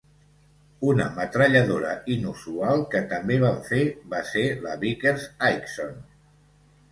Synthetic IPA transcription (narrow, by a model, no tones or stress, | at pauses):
unəmət̪ɾəʎəðoɾə̰inusualˠkət̪əmbeβaɱfeβaseləβikeɾzajkson